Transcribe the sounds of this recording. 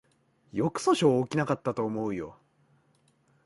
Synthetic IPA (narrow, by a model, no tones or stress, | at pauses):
jo̞kɯ̟̥so̞ɕo̞ːkʲinakat̪ːat̪o̞ːmo̞ɯ̟jo̞̰